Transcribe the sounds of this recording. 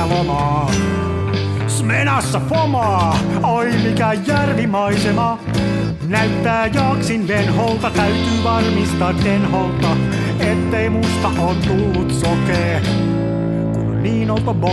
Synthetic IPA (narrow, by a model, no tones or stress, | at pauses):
lomɑː | smenæsːæfomɑː | olimikæjærʋimɑisemɑ | næyt̪ːæːjɑːksind̪enholt̪ɑt̪æyt̪yːʋɑrmist̪ɑːt̪denholt̪ɑ | et̪ːeimust̪ɑʔoːt̪t̪ulːut̪sokeː | kṵnniːnop̪bo